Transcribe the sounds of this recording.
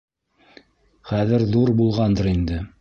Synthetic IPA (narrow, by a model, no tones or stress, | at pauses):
χæðɘɾðuɾbulˠʁɑnd̪ɤɾind̪ɘ